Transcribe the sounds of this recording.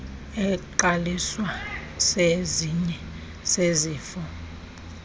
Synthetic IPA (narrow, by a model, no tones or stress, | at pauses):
ɛǃaliswaseziɲɛ | seziːfɔ